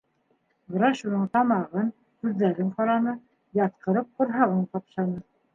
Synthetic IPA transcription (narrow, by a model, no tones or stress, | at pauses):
bɾɑʃunɤɴt̪ɑmɑʁɤn | hʉðːæɾɘɴqɑɾɑnɤ | jɑt̪̚qɤ̆ɾɤp̚qŏɾɦɑʁɤɴq̪ɑpʃɑnɤ